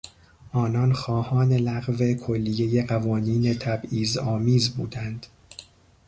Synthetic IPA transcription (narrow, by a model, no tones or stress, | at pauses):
ʔɒːnɒnxɒːhɒːne̞læɢve̞kʰolːije̞je̞ɢævɒːniːne̞t̪ʰæbiːzɒːmiːzbuːd̪ænd̪̥